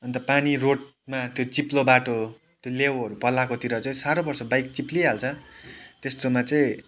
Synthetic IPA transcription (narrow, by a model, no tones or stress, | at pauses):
ʌnt̪ʌpaniroʈ | mat̪jot͡siplobaʈo | t̪jolewʌɾupʌlakot̪iɾʌt͡sʌĩsaɾobʌrsʌbajk̚t͡sipliɦalt͡sʰʌt̪est̪omat͡sʌĩ